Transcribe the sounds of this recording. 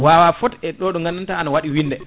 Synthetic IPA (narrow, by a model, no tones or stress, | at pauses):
wawafɔtɛɗɔɗɔŋɡanːantaanawaɗiwindɛ